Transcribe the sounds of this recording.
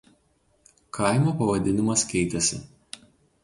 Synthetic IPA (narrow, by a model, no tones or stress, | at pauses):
kʰɑˑɪmʲoːpɐʋɐd̪ʲɪnʲɪmɐskʲɛɪt̪ʲɛsʲɪ̰